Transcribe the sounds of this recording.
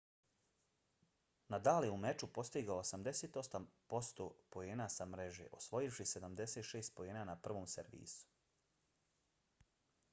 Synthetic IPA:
nad̪aːljeume̞t͡ʃupo̞st̪iɡaoosamd̪e̞seːt̪o̞sampo̞st̪opo̞jeːnasamɾe̞ʒe̞̰ʔo̞sʋo̞jifʃise̞d̪amd̪e̞set̪ʃeːst̪̚po̞jeːnanapr̩ʋoːmseɾʋḭːsu̥

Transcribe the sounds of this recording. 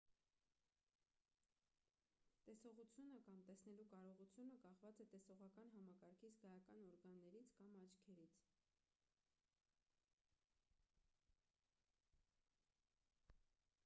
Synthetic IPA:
t̪ɛsɔʁut͡sʰjunəkɑmt̪ɛsnɛlukɑɾɔʁut͡sʰjunəkɑχvɑt͡sɛt̪ɛsɔʁɑkɑnɦɑmɑkɑɾkʰit͡sʰɡɑjɑkɑnɔɾɡɑnːɛɾit͡sʰkɑmɑt͡ʃʰkʰɛɾit͡sʰ

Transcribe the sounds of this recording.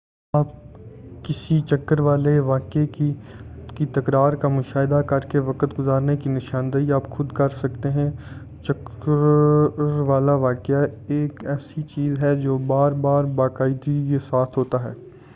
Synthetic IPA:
aːp̚kɪsit͡ʃɐkːəɾʋaːleʋaːkeikit̪ɐkɾaːɾkamʊʃaːɪd̪akɐɾkeʋɐkət̪ɡʊzaːɾnekinɪʃãːnd̪əiaːpxʊd̪kɐɾsɐkt̪eɦɛ̃ | t͡ʃɐkəɾɾʋaːlaʋaːkɪjaeːkɛːsit͡ʃiːzɦɛd͡ʒoːbaːɾbaːɾbaːkaːɪd̪ikesaːt̪ʰɦoːt̪aɦɛː

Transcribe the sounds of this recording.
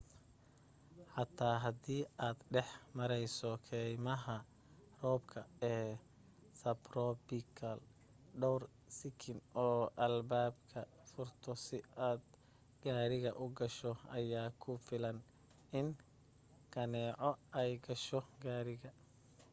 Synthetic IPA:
ħɑt̪ʰaːɦɐd̪iːaːd̪ɖɛħmɐɾɛjsɔkʰɛːjmɐɦɐ | rɔːbkʰɐɛː | sɐbrɔbikʰɐl | ɖɔwr | sɪkʰɪnʔɔːʔɐlbaːbkʰɐ | fʊrt̪ʰɔsɪʔaːd̪ | ɡ̥aːɾɪɣɐʔʊɡɐʃɔɐjaːkʰʊfɪlɐn | ɪn | kʰɐnɛːʕɔɛjɡɐʃɔɡaːɾɪɣɐ

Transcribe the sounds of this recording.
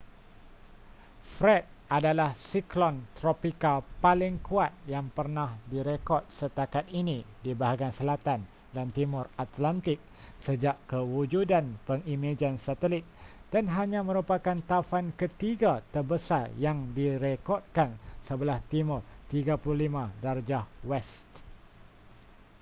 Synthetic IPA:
fɾɛt̪̚ʔadalahsiklɔnt̪ɾopikalpalɪŋkuat̪̚jaŋpərnahdiɾekɔt̪̚sət̪akat̪̚inĩdibaɦaɡansəlat̪an | dant̪imʊrat̪lant̪ɪk̚ | səd͡ʒaʔkəwud͡ʒudanpəŋimad͡ʒansat̪əlɪt̪̚d̥anɦaɲãmə̃ɾupakant̪afankət̪iɡat̪ərbəsarjaŋdiɾekɔd̪̚kansəbəlaht̪imʊrt̪iɡapululimãdard͡ʒahwɛst̪

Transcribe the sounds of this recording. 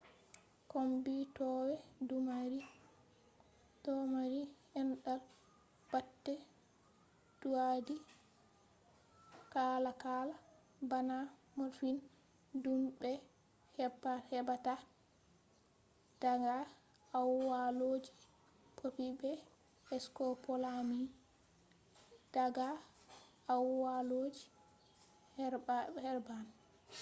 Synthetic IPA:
kombitɔwɛdumaɾi | tɔmaɾihɛnɗal | b̥atːɛ | d̥uadi | kalakaːla | banamɔɾfin | dumbɛ | hɛahɛbata | d̥aŋɡa | awwalod͡ʒi | pʰopibɛ | ɛskɔpɔlami | d̥aɡa | awwalod͡ʒi | hhɛɾban

